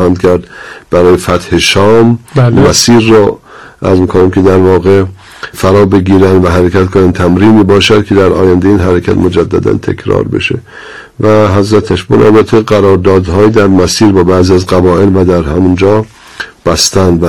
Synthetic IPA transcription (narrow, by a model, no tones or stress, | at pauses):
hænd̪kʲʰæɾd̪b̥æɾɒːjefæt̪heʃɒːmmæsiːɾːɒː | ʔæ̰ɾzmiːkʰonæmkʲʰe̞d̪æɾvɒːɣe | fæɾɒːbe̞ɡiːɾænd̪væɦæɾekʰæt̪kʰonænt̪ʰæmɾiːniːbɒːʃæd̪̚kʲʰe̞d̪æɾʔɒ̰ːjænd̪eiːnɦæɾekʰæ̰t̪mod͡ʒæd̪ːæ̰d̪æ̰nt̪ʰḛkʰɾɒ̰ːɾbe̞̰ʃḛ | væɦæzɾæt̪ʰæʃbunʔæ̰lbæt̪ʰːeɡæɾɒːɾd̪ɒːd̪hɒːjed̪æɾmæsiːɾbɒːbæːziæzɡæbɒːʔelvæd̪æɾhæmund͡ʒɒː | b̥æst̪ænd̪væ